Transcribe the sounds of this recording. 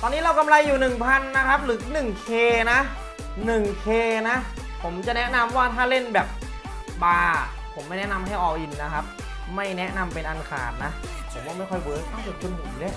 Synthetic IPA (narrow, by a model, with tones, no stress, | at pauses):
t̪ɔː˧nːiː˦˥ɾa˧wka˧mla˧jːuː˨˩nɯ˨˩ŋpʰa˧nːa˦˥kʰa˦˥p̚lɯː˨˦˥nɯ˨˩ŋkʰeː˧na˦˥ | nɯ˨˩ŋkʰeː˧na˦˥ | pʰo˩˦mt͡ɕa˨˩nɛ˦˥ʔna˧mwaː˥˩t̪ʰaː˥˩le˥˩nbɛː˨˩p̚ | baː˧ | pʰo˩˦mːa˥˩jnɛ˥ʔna˧mɦa˥˩jʔɔː˧ʔi˧nːa˦˥kʰa˦˥p̚ | ma˥˩jnɛ˦˥na˧mpe˧nʔa˧nkʰa̰ː˨˩t̪̚na˦˥ | pʰo˩˦mwaː˦˧˩ma˥˩jkʰɔ˥˩jwɤː˩˦kʰa˧˥˩sɯ˨˩k̚kʰu˧npʰu˨˩˦le˦˥ʔ